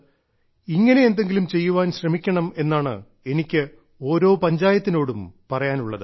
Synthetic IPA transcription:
iŋːɐne̞end̪e̞ŋɡilumt͡ɕe̞jːuʋaːnɕrɐmikʲːɐɳɐme̞nːaːɳɨ̰ | e̞nikʲːɨ | o̞ːɾo̞ːpɐɲd͡ʑaːjɐt̪ːino̞ːɽumpɐrɐjaːnuɭːɐðɨ

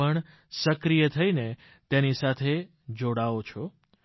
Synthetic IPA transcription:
əɳ | səkɾijət̪ʰəine | t̪enisat̪ʰe | d͡ʒoɽaʋot͡ʃʰo

